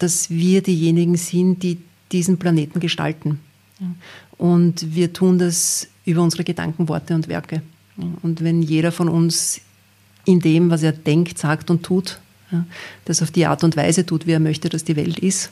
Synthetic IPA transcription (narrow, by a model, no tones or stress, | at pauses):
d̥asviːɐdiːjeːnɪɡŋ̩zɪntd̥iː | d̥iːzn̩planeːtn̩ɡəʃta̰ltn̩ | aʔʊntviːɐtʰuːndasʔyːbɐʊnzəʁəɡ̥əd̥a̰ŋkŋ̩vɔɐtəʊntvɛ̰ɐkə | jaʊntvɛnjeːɾɐfɔnʊns | ɪndeːmvas̬eːɐd̥ɛŋktsaːktʊntʰːuːt | jad̥asaʊfd̥iːʔa̰ːɐtʊntvæ̰ɪzətʰuːtviːeːɐmœçtəd̥asd̥iːvɛ̰ltɪst